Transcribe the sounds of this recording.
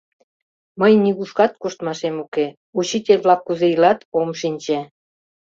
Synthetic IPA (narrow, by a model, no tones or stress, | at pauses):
məjniɣuʃkɑt̪̚kuʃt̪mɑʃemuke | ut͡ɕitʲelʲβlɑkːuzeilɑt̪omʃinʲt͡ɕĕ